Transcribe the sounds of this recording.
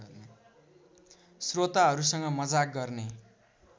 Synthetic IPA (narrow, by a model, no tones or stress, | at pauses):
srot̪aɦʌɾusʌŋɡʌmʌd͡zak̚ɡʌrne